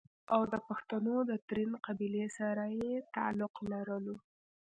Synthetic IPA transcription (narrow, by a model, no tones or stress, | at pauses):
awd̪əpaxt̪anod̪ət̪ɾinqabilesaɾajet̪aa̰lʊqlaɾəlo